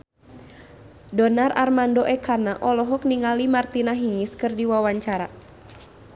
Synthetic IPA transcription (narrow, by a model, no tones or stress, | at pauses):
dɔnara̰rmandoʔɛkʰanaʔɔlɔɦɔkniŋalimart̪inaɦiŋɪskɨrdiwawaɲt͡ʃaɾa